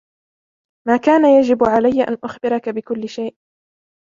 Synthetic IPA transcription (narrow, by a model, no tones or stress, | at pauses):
maːkaːnajad͡ʒɪbʕalajːaʔa̰nʔʊxbɪɾɑkabɪkʊlːɪʃajʔ